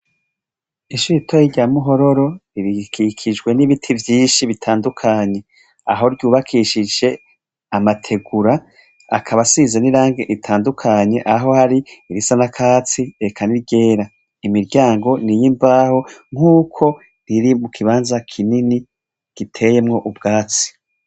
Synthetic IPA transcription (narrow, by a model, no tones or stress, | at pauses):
iʃuɾitʰojiɟamuɦo̞ɾo̞ɾo̞iɾikʰikʰid͡ʒɡwe̞niβitʰivjiːnʃiβitʰaːndukʰaɲe̞ | a̰ɦo̞ɾɟuːβakʰiʃid͡ʒe̞ | amatʰe̞ɡuɾa | a̰kʰaβasiːzeniɾaːŋɡeʔitʰaːndukʰaɲe̞ʔaɦo̞haɾiiɾisanakʰaːt͡siekʰaniɾɟe̞ːɾa | imiɾɟaːŋɡo̞nijimvaho̞ŋ̥uːkʰo̞ | ɾiɾimukʰiβaːnzakʰinini | ɡ̥itʰe̞je̞mŋo̞ʔubɡaːt͡si̥